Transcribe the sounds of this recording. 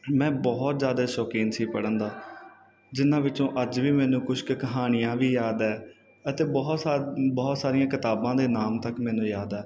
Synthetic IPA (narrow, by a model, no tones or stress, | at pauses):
mɛ̃ːbɔːt̪zjaːd̪aːʃɔːkiːnsiːpəɽənd̪aː | d͡ʒɪnãːʋɪt͡ʃõːʔəd͡ʒʋiːmɛːnũːkʊʃkkəɦaːnɪjãːʋiːjaːd̪ɛː | ət̪eːbɔːt̪ːbɔːt̪saːɾɪjãːkɪt̪aːbãːd̪eːnaːmt̪əkmɛːnũːjaːd̪ɛː